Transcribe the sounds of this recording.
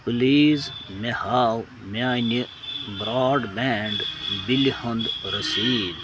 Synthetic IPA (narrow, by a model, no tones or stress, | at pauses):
puliːzmehaːw | maːni | bɾaːɖbɛɳɖbilihɐnd̪ɾɐsiːd̪